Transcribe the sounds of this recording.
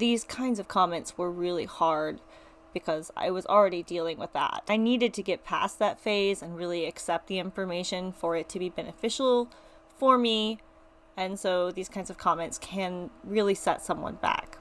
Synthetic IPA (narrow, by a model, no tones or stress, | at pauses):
ðiz̥kʰãɪ̃ndzʌv̥kʰɑmɛ̃ntswə˞ɹɪlˠihɑɹd̚ | b̥ɨkʰʌza̰ɪwʌzl̩ˠɹɛɾidilˠɪ̃ŋwəðæ̰t̚aɪniɾɨd̚tʰɨɡɛt̚pʰæ̰sðɨtfeɪzɨ̃nɹɪlˠiɨksɛp̚t̪̚ðiɪ̃ɱfə˞meɪʃɨ̃nfə˞ɨtʰɨbibɛnɨfɪʃl̩ˠ | fə˞mi | ɨ̃nsoʊðiz̥kʰãɪ̃ndzʌv̥kʰɑmɛ̃ntskʰɨ̃nɹɪlˠisɛ̰tsʌ̃mwʌ̰̃nbæ̰k